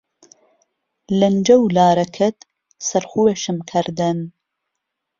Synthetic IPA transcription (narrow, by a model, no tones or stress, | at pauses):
lɨnd͡ʒɐwlaːɾɐkʰɨt̪ | sɐɾxuːweʃɨmkʰɨɾd̪ɨn